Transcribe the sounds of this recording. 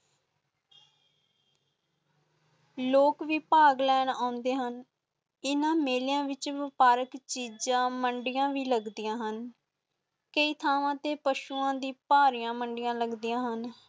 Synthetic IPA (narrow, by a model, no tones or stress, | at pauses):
loːkʋiːpaːɡlɛːnãːʊ̃nd̪eːɦən | ɪnãːmeːljãːʋɪt͡ʃʋɪpaːɾəkt͡ʃiːd͡ʒãːməɳɖɪjãːʋiːləɡd̪ijãːɦən | kəiːt̪ʰaːʋãːt̪eːpəʃuːãːd̪iːpaːɾijãːməɳɖɪjãːləɡd̪iːjãːɦən